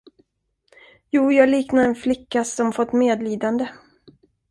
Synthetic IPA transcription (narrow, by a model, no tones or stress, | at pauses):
juːjɑːɡliːknaɛnflɪkːasɔmfɔt̪ːmeːd̪liːd̪and̪ə